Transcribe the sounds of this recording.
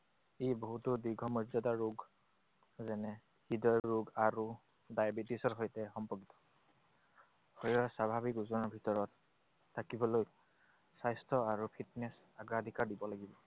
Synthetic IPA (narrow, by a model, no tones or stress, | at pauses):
eboɦutɔdiɡʱɔmɔɹzɔdaɹuɡ | zɛnɛ | hidɔjɹuɡaɹu | dajbitisɔɹɦojtɛxɔmpɔkitɔ̥ | hɔjɔsabʱabikuzɔɹnɔbʱitɔɹɔtʰː | akibɔloj | sajstʰɔaɹupʰitnɛs | aɡadʱikaɹdibɔlaɡibɔ